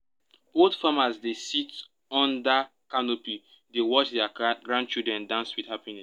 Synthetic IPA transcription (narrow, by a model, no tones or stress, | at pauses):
bodfamazdesit | ɔ̃nda | kanopi | dewɔt͡ʃdɛaɡɹãn̚t͡ʃildɹɛ̃ndãʊ̃nswidhapinɛs